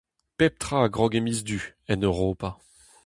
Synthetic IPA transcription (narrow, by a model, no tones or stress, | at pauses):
pɛp̚t̪χaːɡʁɔɡemizd̪yɛnøʁoːpa